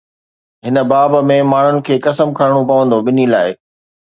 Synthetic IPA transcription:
ɦɪnə̆baːbmẽmaːɳ̤ʊnɪ̆kʰeːkɐsəmkʰaɾɪɽ̃opɐʋə̃nd̪oɓɪnilaːɪ

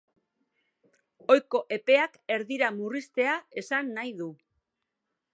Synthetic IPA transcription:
o̞jko̞ʔe̞pe̞ake̞ɾðiɾamurist̪e̞ae̞sanːajðu

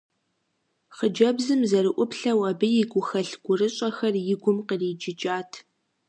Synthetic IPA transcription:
χəd͡ʒɐbzɨmzɐɾɨʔʷʊpɬɐwɐbɨjɪɡʷʊxɐɬɡʷʊrɨɕʼɐxɐrjɪɡʷʊmqəriːd͡ʒɪd͡ʒʼaːtʰ

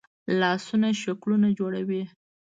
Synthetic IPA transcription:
lɑsunaʃaklunad͡ʒoɽawi

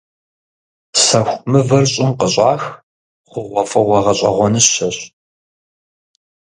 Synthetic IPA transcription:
sɐxʷmɨvɐrɕʼɪmqəɕʼɑːx | χʷʊʁʷɔfʼɐʁʷɐʁɐɕʼɐ̰ʁʷɔnɨɕɐɕʼ

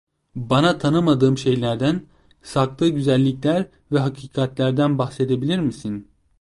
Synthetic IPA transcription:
banat̪ʰanɯmad̪ɯːmʃe̞jlʲæɾd̪æn | sak̚t̪ɯːɟyzælʲːiclʲæɾ | vɛɦakʰiːkʰat̪lʲæɾd̪ænbaxse̞d̪ebilʲiɾmisin

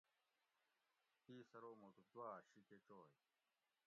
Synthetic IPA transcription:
piːsɐɾoːmot̪ut̪uwaːɕiket͡ɕoːj

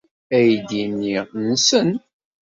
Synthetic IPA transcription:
æjd̪inːiʁnsən

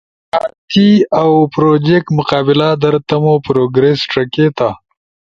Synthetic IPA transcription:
at̪iawpɾod͡ʒek̚ʈmʊqɑːbɪlad̪ɐɾt̪ɐmopɾoɡɾesʈɐket̪a

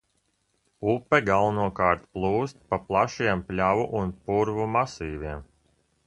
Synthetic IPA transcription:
upːɛɡalˠnuɔkaːɾt̪plˠuːst̪̚paplˠaʃiɛmplʲavuʔunpuɾvumasiːvʲiɛm

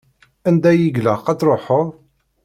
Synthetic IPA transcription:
ænd̪æjiʝlæqæt͡sɾˤoħoðˤ

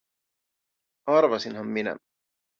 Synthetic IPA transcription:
ɑrʋɑsinɦɑmːinæ̰

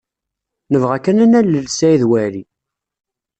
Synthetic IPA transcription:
nəvʁækːənænæləlsæjðwæɾi

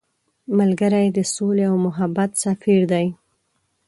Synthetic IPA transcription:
malɡəɾajd̪əsoleawmʊɦabat̪safiɾd̪aj

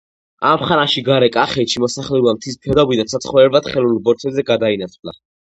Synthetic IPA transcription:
amχanaʃiɡaɾɛkʼaχɛt̪ʃimɔsaχlɛubamt̪ʰis̬mpʰɛd̪abid̪ansʰat̪sʰχɔɾɛbat̪χɛlulbɔɾt̪ʰɛzɛɡad̪ainat̪ʰvla̰

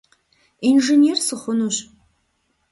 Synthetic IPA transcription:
inʐenersɨχʷʊnuɕ

